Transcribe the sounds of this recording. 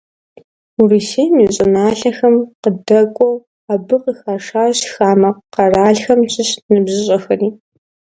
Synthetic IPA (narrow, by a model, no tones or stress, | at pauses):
uriseːjmiːɕʼɪnaːɬɐxɐmqədɐkʷʼɔw | abɨqəxaːʂaːɕxaːmɐqqɐraːɮxɐmɕʰʼɪɕnɨbʑɨɕʼɐxɐriː